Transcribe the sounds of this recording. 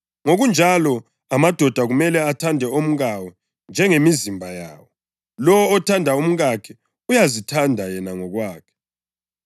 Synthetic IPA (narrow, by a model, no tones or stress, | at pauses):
ŋoɣund͡ʒʱalɔ | amad̥ʱɔd̥ʱaɣumɛlɛatʰandʱɛom̩ɣawɔ | nd͡ʒʱɛŋemizimbʱaja̰ːwɔ | lɔwɔːtʰandʱaum̩ɣakʰɛ | ujazitʰandʱajɛnaŋɔɣwaːkʰɛ̥